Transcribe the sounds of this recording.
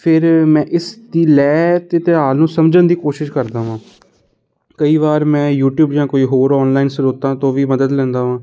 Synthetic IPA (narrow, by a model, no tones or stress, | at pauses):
pʰɪɾmɛ̃ːʔɪsd̪iːlɛːt̪eːt̪ɪɦaːlnũːsəmd͡ʒənd̪iːkoːʃɪʃkəɾd̪aːʋãː | kəiːʋaːɾmɛ̃ːjuːʈjuːbd͡ʒãːkoːiːɦoːɾɔːnlaːiːnsəɾoːt̪ãːt̪õːʋiːməd̪əd̪lɛ̃ːnd̪aːʋãː